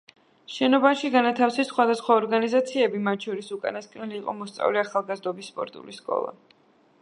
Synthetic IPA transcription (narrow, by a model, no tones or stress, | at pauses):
ʃɛnɔbaʃiɡanat̪ʰafsisχwad̪asχwaɔɾɡanizat̪sʰiɛbimat̪ʰʃʰɔɾisukʼa̰naskʼnɛliːqʼɔ̰mɔst̪sʼa̰vliaχalˠɡazd̪ɔbisːpʼɔ̰ɾt̪ʼṵliskʼɔ̰lˠa̰